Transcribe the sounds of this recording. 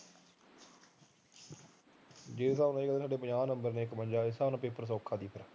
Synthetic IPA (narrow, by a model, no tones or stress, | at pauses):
d͡ʒeːɪsaːʊnaːeːɡəaːsaːɖeːpəɲaːnəmbəɾneːɪkməɲd͡ʒaːɪsaːnãːpeːpəɾs̬oːkʰːaːd̪iːpʰəɾa